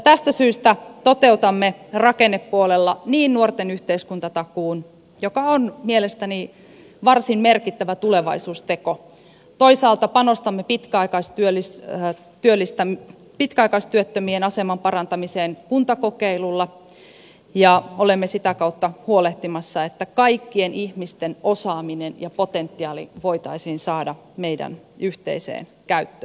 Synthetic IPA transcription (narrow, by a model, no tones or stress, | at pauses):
jt̪æst̪æsyːst̪æt̪ot̪eut̪ɑmːerɑkenːepːuolelːɑniːnnuort̪enyht̪eiskunt̪ɑt̪ɑkuːn | jokɑonmielest̪æni | ʋɑrsimmerkit̪ːæʋæt̪uleʋɑ̰isuːst̪e̞ko | t̪oisɑːlt̪ɑpɑnost̪ɑmːepit̪kæɑikɑist̪yølːis | t̪yølːist̪æ | pit̪kæɑikɑist̪yøt̪ːømienɑsemɑmpɑrɑnt̪ɑmiseːnkunt̪ɑkokeilulːɑ | jɑolemːesit̪ækɑut̪ːɑhuoleht̪imɑsːɑet̪ːækɑikːienihmist̪enosɑːminenjɑpot̪ent̪ːiɑːlḭʋoit̪ɑisiːnsɑːdɑ | meidæ̰n | yht̪ḛisḛːn | kæyt̪ːø̥